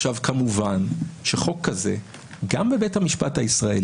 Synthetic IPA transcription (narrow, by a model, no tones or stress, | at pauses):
avkamuvanʃeχo̞kʰːaze̞̰ | ɡambe̞be̞thamiʃpathaisʁae